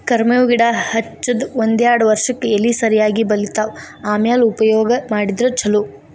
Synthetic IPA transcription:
kɐɾmɐjoːɡiɽahɐt͡ʃːɐd̪ond̪jaːɽɐʋɐɾʂɐkːeelːisɐɾijaːɡibɐlit̪aːʋaːmjaːlupɐjɔːɡɐmaːɽid̪ɾɐt͡ʃʰɐlu

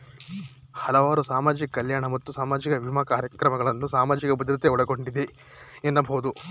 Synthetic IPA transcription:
hɐlɐʋaːɾusaːmaːd͡ʒikɐːɐljaːɳɐmɐt̪ːusaːmaːd͡ʒikɐbʱimɐkaːɾjɐkɾɐmɐɡɐɭɐnːusaːmaːd͡ʒikɐbɐd̪ɾɐt̪eɔɽɐɡo̞ɳɖid̪e | enːɐbʱoːd̪u

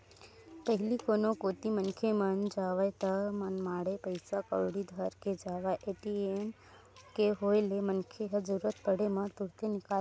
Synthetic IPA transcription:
pəɦɪlikoːnokoːt̪imənkʰemənd͡ʒaːʋaet̪əmənmaːɽepəɪsakə̰ɽid̪ʱəɾked͡ʒaːʋaʔeːʈiem | keɦoːjlemənkʰeɦəd͡ʒəɾuɾət̪̚pəɽemə̃t̪ʊɽt̪enɪkal

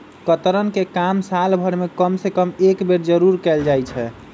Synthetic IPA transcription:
kət̪ɾənkekamsalbʱəɾmekəmsekəmekbeɾd͡ʒəɾuɾkɛld͡ʒajt͡ʃʰɛ

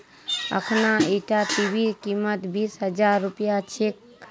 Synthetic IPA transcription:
ə̰kʰnaiʈaʈibʱikimət̪bisɦəd͡ʒaɾːupjat͡ʃʰek

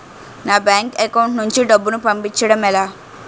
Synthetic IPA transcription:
naːbjaːŋkekɐwuɳʈnuɲt͡ʃiɖɐbːunupɐmpit͡ʃːɐɽɐmɛlaː

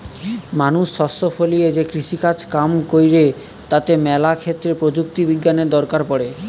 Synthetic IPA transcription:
manuʃːɔsofʰolied͡ʑekɾiʃikat͡ɕkamkojɾe | t̪at̪emɛlakʰet̪ːɾepɾod͡ʑuk̚t̪ibiɡːaned̪ɔɾkaɾpɔɽe

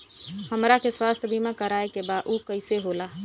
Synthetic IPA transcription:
həmɾakʰeswast̪ʰəbʱimakəɾaekebad̪ukəɪseɦola

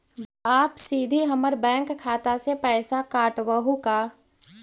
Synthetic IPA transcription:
aːpsiːd̪ʱiɦɐməɾbɛ̃ːŋkʰːaːt̪asepɛːsakaːʈwəɦukaː

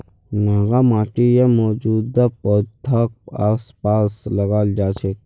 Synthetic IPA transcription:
naːɡamaːʈijamɔːd͡ʒuːd̪apɔːt̪ʰak̚aːspaːslɐɡaːld͡ʒaːt͡ʃʰe

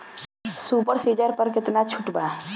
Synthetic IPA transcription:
suːpəɾsiːd͡ʒəɾpəɾkɪt̪nat͡ʃʰʊʈbaː

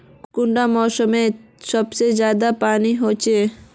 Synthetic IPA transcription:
kʊɳɖamɔːsəmesɔbsed͡ʒjaːd̪apaːniɦot͡ʃʰe

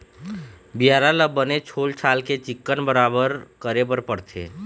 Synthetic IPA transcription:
bijaːɾaləbːənet͡ʃʰoːlt͡ʃʰaːlket͡ʃɪkːənbəɾaːbəɾkəɾebəɾpəɽt̪ʰḛː

